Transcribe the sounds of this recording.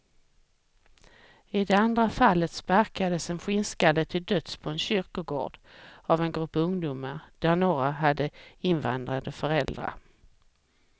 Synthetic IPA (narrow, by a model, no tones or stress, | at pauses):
ɪd̪ɛand̪ɾafalːət̪spaɾkad̪əsɛnɧɪnskalət̪ʰɪld̪œt̪spʰɔɛnɕʏɾkʊɡo̰ːɖ̥avɛnɡɾɵpːɵŋd̪uːmaɾd̪̥æɾnoːɾaɦad̪ːəɪnva̰nd̪ɾad̪əfœɾɛld̪ɾa̰ɾ